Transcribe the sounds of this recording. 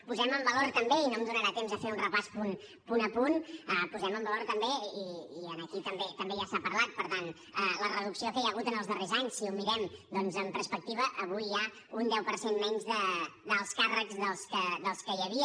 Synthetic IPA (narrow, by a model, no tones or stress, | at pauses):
puzɛməmbəloɾt̪əmbeinomzðunəɾat̪emzəfeunrəpaspun | punəpunəpuzɛməmbəlˠoɾt̪əmbeiiənəkit̪əmbet̪əmbeʒasapəɾlat̪̚pəɾt̪an | ələrəð̞uksiokɛjəɣ̞ut̪ənəlˠzðərezaɲsːiumiɾɛmd̪ɔnzəmpəɾspək̚t̪iβ̞əʔəβ̞ujːa | und̪ɛwpəɾsenmɛɲzðəd̪əlˠskarəkzðəlˠskəðəlˠskəjəβ̞iə